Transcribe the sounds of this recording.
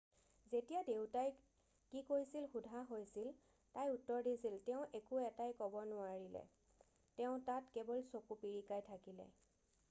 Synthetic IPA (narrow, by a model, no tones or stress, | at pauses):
zetijadewtaj | kikojsilxudʱaɦojsil | tajutːɔɹdisiltɛʊ̃ʔekuɛtajkɔbɔnʊaɹilɛ̰ | tɛʊ̃tatkɛbɔlsokupiɹikajtʰakilɛ̰